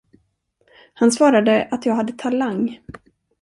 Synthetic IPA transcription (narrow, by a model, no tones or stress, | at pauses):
hansvɑːɾad̪əat̪jɑːɡɦad̪ːət̪ʰalaŋː